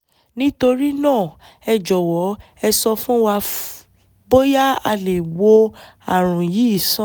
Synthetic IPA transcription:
nĩ˦to˧ɾi˦nãː˦˨ | ɛ˧d͡ʒɔ˨wɔ˨˦ | ɛ˧sɔ˧fũ˦wa˧ | bo˦ja˦a˧le˨wo˧ | a˨ɾ̃ũ˨ji˨˦i˦˨sã˦

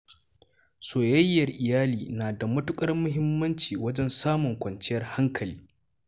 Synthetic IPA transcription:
soː˨jɐ˦jːɐ˨rʔɪ˨jaː˦liː˨naː˨da˨mʊ˦tʊ˦kʼɐ˦rmʊ˦ɦɪ˦mːɐ˦nt͡ʃiː˨wɐ˦d͡ʒɛ˦nsaː˦mʊ˨ŋkʷɐ˨nt͡ʃɪ˦jɐ˦rha˦ŋkʰɐ˨liː˦

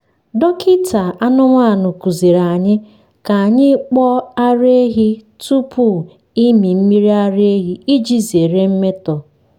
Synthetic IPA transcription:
dɔ˦kʰi˦tʰa˨a˦nʊ˦ŋʷa˦a˨nʊ˨ku˨zi˨ɾa˨ɲɪ˦ | ka˨a˨ɲɪ˦k͡pɔ˦a˦ɾe˦ɦi˦ | tu˦pu˦˨ | i˦mi˨m̩˦mi˦ɾi˦a˦ɾe˦ɦi˦i˦d͡ʒi˦ze˨ɾe˦m̩˦me˦tɔ˨

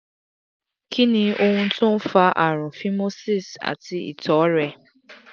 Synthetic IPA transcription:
kʰi˦nĩ˦ʔo˦ŋũ˦n̩˦tʊ̃˦m̩˦fa˦ʔa˨ɾ̃ʊ̃˨fi˦mo˦si˦˨sa̰˨ti˦ḭ˨tɔ˨˦ɾɛ˧

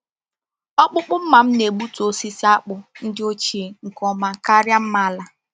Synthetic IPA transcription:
ɔ˦k͡pʊ˦k͡pʊ˦m̩˦ma˨m̩˦ne˨ɡ͡bu˦to˦si˦sa˦k͡pʊ˨n̩˦dɪ˦o˦t͡ʃi˨ŋ̩˨kɔ˦ma˦ka˦ɾja˦m̩˦ma˦a˦la˨

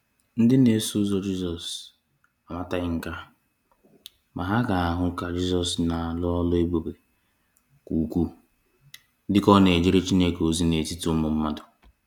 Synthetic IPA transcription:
n̩˦dɪ˦ne˨˦su˦zɔ˦d͡ʒi˦zɔ˨s | a˨ma˦ta˦ɣɪ˦ŋ̩˦ka˦ | ma˨ɦa˦ɡa˨a˨ɦʊ˦ŋ̩˦ka˦d͡ʒi˦zɔ˨sna˨lʊ˦ɔ˦lʊ˦e˦ɡ͡bo˨be˨ | kʷu˨kʷu˦ | dɪ˦kɔ˦ne˨d͡ʒi˦ɾe˦t͡ʃi˦ne˦ko˨zi˦ne˨ti˦tʊ˦mʊ˨m̩˦ma˦dʊ˨

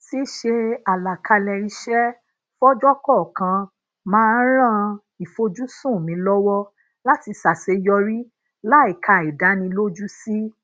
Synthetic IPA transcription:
si˦ʃe˧a˨la˨kʰa˧lɛ˧ɾi˧ʃɛ˦ | fɔ˦d͡ʒɔ˦kɔ˦˨kã˧ | mãː˦˧n̩˦ɾ̃ã˦ | i˨fo˧d͡ʒu˦sũ˦˨mĩ˨˦lɔ˦wɔ˦ | la˦ti˧sa˨se˨˧jɔ˧ɾi˦ | la˦i˨kʰa˧˨i˨da˨˦nĩ˧lo˦d͡ʒu˦si˦

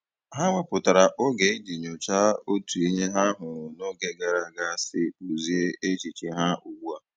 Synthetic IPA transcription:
ɦa˦ŋʷe˦pʊ˨ta˨ɾa˨ʔo˦ɡe˨˦i˦di˨ɲo˨t͡ʃa˦o˦tu˨i˦ɲe˦ɦa˦ɦʊ˨ɾʊ˨no˦ɡe˦ɡa˨ɾa˨ɡa˦a˦˨sɪ˦u˨zi˦e˦e˦t͡ʃi˨t͡ʃi˨ɦa˦u˨ɡu˦a˨

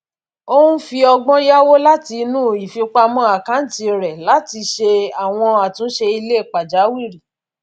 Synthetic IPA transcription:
o˦ũ˦fi˧ɔ˧ɡ͡bɔ̃˦ja˦wo˦la˦ti˧nũ˦˨i˨fi˧k͡pa˧mɔ̃˧˦a˨kã˨˦n̩˦ti˧˨ɾɛ˨la˨˦ti˧ʃe˧a˨w̃ɔ̃˧a˨tũ˨˦ʃe˧i˧le˦˨k͡pa˨d͡ʒa˨˦wi˦˨ɾi˨

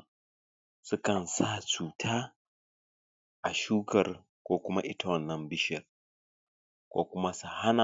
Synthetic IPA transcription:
sʊ˦kɐ˨nsa˦˨t͡ʃuː˨tʰaː˦ | ʔa˨ʃuː˦kɐ˨r | kʷoː˦kʷʊ˦ma˦ʔɪ˦ta˦wɐ˨nːɐ˨mbɪ˦ʃɪ˨r | kʷo̰ː˦kʷʊ˦ma˦su˨ha˦na˨

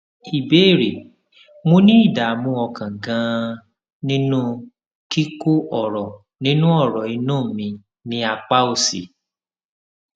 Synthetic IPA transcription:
i˨be˨˦˨ɾe˨ | mo˦nĩ˦i˦˨da˨mũ˧˦ɔ˧kã˨ɡã˧˦ | nĩ˦nũ˦ | ki˦ko˦ʔɔ˦˨ɾɔ˨ | nĩ˦nũ˦ɔ˦˨ɾɔ˨i˨˧nũː˦˨mĩ˧ | nĩ˧˦a˧k͡pa˦o˦˨sḭ˨

